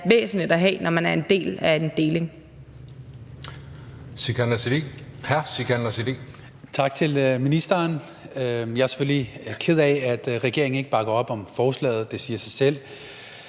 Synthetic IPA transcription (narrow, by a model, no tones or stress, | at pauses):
ʋḛːsn̩lid̥æɦɛ̰ːnɒmænæɐe̝nd̥e̝̰ːlæe̝nd̥e̝ːle̝ŋ | sikʰænihæsikʰænɐsid̥i | t͡sʰɑ̈ɡ̥̚t͡sʰe̝lminisd̥ɐn | øjɑ̈æɐse̥føllikʰe̝ð̞̰ˠɛæd̥ʁɛɡ̥e̝ɐeŋn̩e̝ɡ̥əb̥ɑ̈ɡ̥ɐɒ̽b̥ɒ̽mfɒːslɛ̰ːð̩ˠd̥e̝siːɐsɑ̈ɪsel̰